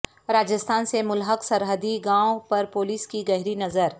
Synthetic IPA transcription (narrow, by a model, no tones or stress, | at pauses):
ɾaːd͡ʒəst̪ʰaːnsemʊlɦəksɐɾɦəd̪iɡãːõpɐɾpoːliːskiɡɐɦɪɾinɐzəɾ